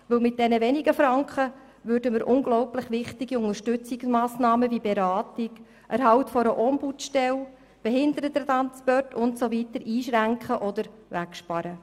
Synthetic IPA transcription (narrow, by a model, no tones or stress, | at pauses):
ʋɵwmɪt̚d̥ɛnəʋɛniɡəfɾɑŋkχə | ʋʏɾdəməɾʔʊŋɡlɔwplɪχʋɪχtɪɡiʊŋəɾʃtɵt͡sɪksmɑːsnɑːməvibeɾɑːtɪk | ʔæɾɦɑwtfɔɾəʔɔmbutʃtɛl | b̥ɛɦɪnd̪əɾət̪ət̪ɑnspɔtʊntsovitəɾʔiːʃʁæŋkχəʔɔd̪əɾ | ʋækʃpɑɾə